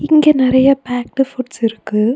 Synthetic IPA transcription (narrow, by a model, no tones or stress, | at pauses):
ɪŋɡeːnɪɾɐjɐpaːk̚ʈɯfʊʈsɪɾɯkːɯ